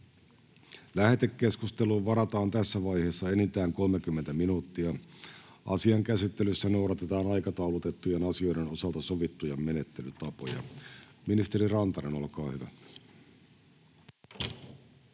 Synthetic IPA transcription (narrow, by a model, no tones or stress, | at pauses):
læhe̞t̪ekːe̞skust̪eluːʋʋɑɾɑt̪ɑːnt̪æsːæʋɑjhe̞ːsːɑe̞nint̪æːŋko̞lmekymːent̪æminuːt̪ːiɑ | ʔɑ̰siɑŋkæsit̪ːe̞lysːæno̞uwɾɑt̪e̞t̪ɑːnɑjkɑt̪ɑwlut̪e̞t̪ːujenɑsio̞jɾeno̞sɑlt̪ɑso̞ʋit̪ːujɑmme̞ne̞t̪ːe̞lyt̪ɑpo̞jɑ̰minist̪e̞ɾirɑnt̪ɑneno̞lkɑːhyʋæ̰